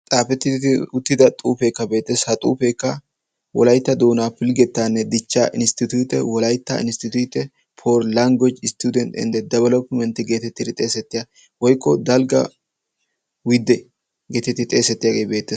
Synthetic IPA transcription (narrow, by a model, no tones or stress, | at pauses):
t̪ʼaːfɛt̪ːɪd̪ɪt̪ɪʊt̪ːɪd̪ɐt̪ʼṵːfeːkːɐbeːt̪ːeshɐt̪ʼṵːfeːkːɐ | wɔ̰lɐjt̪ːɐd̪oːnaːpɪlɡɛt̪ːaːnːɛd̪ɪt͡ʃːa̰ʔɪnst̪ɪt̪juːt̪ɛwɔlɐjt̪ːa̰ɪnst̪ɪt̪uːt̪ɛ | pʰoːɾlɐŋɡɔd͡ʒɪst̪uːd̪ɛnt̪ɛ̰nd̪ɛd̪ɐβɐlɔpːɪmɛnt̪ɪɡe̞ːt̪ɛt̪ːɪd̪ɪt̪ʼe̞ːsɛt̪ːɪja | wɔjkʰːɔd̪ɐlɡɐ | wɪd̪ːɛ | ɡeːt̪ːɛt̪ːɪt̪ʼeːsɛt̪ːɪjaːɡe̞ːbe̞ːt̪ːeːs